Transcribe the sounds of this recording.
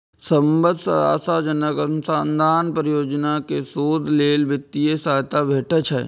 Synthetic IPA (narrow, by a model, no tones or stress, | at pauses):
səmbəd̪sə̰ɾa̰ːsad͡ʒənəɡəɾnsãːnd̪ʱaːnpɾɪjoːd͡ʒnakesoːd̪ʱleːlbɪt̪ːiesaːjt̪abʱeːʈət͡ʃʰɛ̰ː